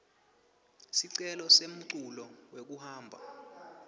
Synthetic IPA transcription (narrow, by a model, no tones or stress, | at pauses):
siǀɛlɔsem̩ǀulɔwek̬uhaːmbʱa̰